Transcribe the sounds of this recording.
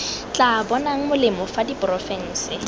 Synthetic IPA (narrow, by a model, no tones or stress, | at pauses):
t͡ɬʼabɔnaŋ̩mʊlɪmɔfadipʼrɔfɛn̩ːsɪ